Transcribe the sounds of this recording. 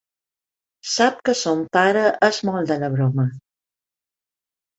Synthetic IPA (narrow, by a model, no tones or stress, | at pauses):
sap̚kəsompaɾəʔəzmɔlˠd̪ələβɾɔmə